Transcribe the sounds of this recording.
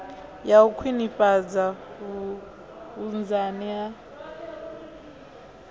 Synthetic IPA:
jaukʰwinipʼad͡za | und͡zania

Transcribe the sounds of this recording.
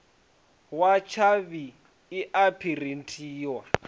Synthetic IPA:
wat͡ʃʰaβiː | ʔapʰirin̩tʼʰiːwa

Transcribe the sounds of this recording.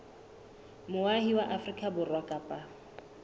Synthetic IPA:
mʊahiwaʔafrikʼabʊrwakʼapʼa

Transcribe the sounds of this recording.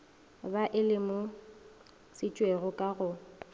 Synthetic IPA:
baʔɪlɪmʊ | sɪt͡ʃʼweɣʊkʼaɣʊ

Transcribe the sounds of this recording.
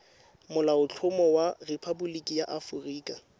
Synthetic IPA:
mʊlaʊt͡ɬʰʊmɔwarepʰabulikʼijaʔafʊriːkʼa

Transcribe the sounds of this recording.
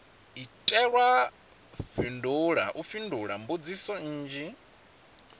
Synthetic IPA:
itʼɛɺwa | finduɺaʔufinduɺambud͡zisɔːd͡ʒi

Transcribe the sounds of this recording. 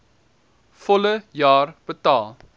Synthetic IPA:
fɔləjɑːrb̥ətɑːlˠ

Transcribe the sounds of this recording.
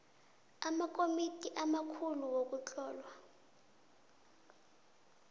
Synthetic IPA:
amakomitʼiʔamakʰuluwok̬ʼut͡ɬʼɔːlwa

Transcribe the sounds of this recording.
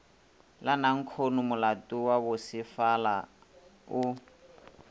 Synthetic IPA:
lanaŋ̩kʰonʊmʊlatʼuwaβʊsɪfala̰ | ʊ

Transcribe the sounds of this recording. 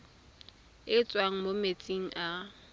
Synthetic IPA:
ɪt͡sʼwaŋ̩momet͡sʼiŋ̩ʔa

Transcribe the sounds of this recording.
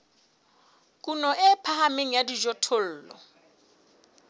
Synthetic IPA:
kʼunɔʔɪpʰahameŋ̩jadid͡ʒɔtʰol̩ːlɔ̰

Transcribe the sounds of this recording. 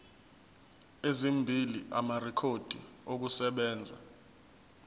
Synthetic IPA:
ezimbʱiliʔamarɛkʰod̥ʱiok̬usɛɓɛːnd͡zʱa̰

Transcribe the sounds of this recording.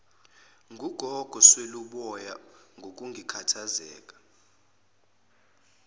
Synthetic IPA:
ŋʱuɡ̥ʱɔɡ̥ʱɔsweluɓɔjaŋɡʱok̬ʼuŋʱikʰatʰazɛ̰ːk̬ʼḁ

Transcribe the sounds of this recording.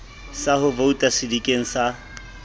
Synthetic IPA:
sahʊvoutʼasɪdikʼeŋ̩sa

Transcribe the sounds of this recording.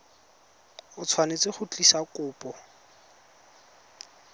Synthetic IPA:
ʊt͡sʰwanet͡sɪχʊt͡ɬʼisakʼʊːpʼɔ

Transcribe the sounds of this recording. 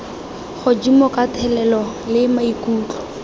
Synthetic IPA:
χʊd͡ʒimɔkatʰɛlɛlɔ | lɪmaikʼuːt͡ɬɔ̥

